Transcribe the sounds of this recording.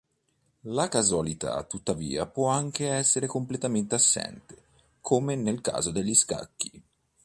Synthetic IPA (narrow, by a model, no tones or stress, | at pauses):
lakazualit̪a̰t̪ːut̪ːavḭːa̰pwɔaŋk̟eɛsːeɾekomplet̪ament̪easːɛ̰nt̪e̥ | kʰomenelka̰ːzod̪eʎːiska̰kːi̥